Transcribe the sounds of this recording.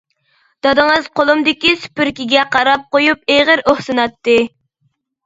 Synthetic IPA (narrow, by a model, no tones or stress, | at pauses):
d̪̥ɑd̪ɨŋɨzqolˠumd̪ɪkʲisy̥pyɾkʲiɡʲɛqʰɑɾɑp̚qojupeʁəɾohsɨnɑt̪ːɨ